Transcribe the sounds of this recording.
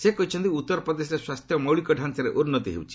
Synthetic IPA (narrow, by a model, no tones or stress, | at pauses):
sekɔɦit͡ʃʰɔnt̪iut̪ːɔɾɔpɾɔd̪es̬ɾeswast̪ʰjɔmɔwɭikɔɖʱansaɾeʔunːɔt̪iɦḛwt͡ʃʰi̥